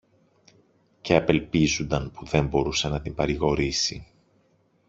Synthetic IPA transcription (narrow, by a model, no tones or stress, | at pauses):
ce̞ɐpe̞lpizund̪ɐnpuðe̞mbo̞ɾusenɐt̪imbɐɾiɣo̞ɾisḭ